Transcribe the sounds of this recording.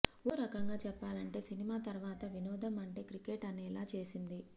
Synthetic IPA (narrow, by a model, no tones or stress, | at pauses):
oːɾɐkɐŋɡaːt͡ʃɛpːaːlɐɳʈe̞ːsinimaːt̪ɐɾʋaːt̪ɐʋinɔːd̪ɐmɐɳʈe̞ːkɾikeːʈɐnɛːlaːt͡ʃe̞ːsind̪i